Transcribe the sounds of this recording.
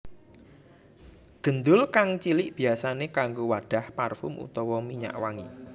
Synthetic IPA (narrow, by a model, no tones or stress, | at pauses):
ɡ̥ə̤nd̪ʊlkaŋt͡ʃilɪʔb̥i̤asanekaŋɡowaɖ̥a̤hparfʊmʔṵt̪ɔwɔmiɲa̰ʔwaŋḭ